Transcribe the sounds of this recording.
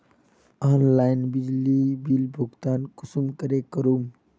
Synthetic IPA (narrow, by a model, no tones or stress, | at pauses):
aːnlaːjnbid͡ʒlibilbʱuɡt̪aːnkʊsumkəɾekəɾum